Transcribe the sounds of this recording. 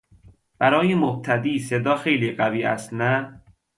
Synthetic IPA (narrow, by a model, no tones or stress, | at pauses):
b̥æɾɒːjemob̚t̪ʰæd̪iːse̞d̪ɒːxejliːɢæviːʔæ̰st̪næ